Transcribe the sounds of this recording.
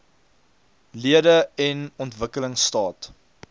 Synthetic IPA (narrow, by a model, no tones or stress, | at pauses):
liədəɛnɔntvəkələŋstɑːt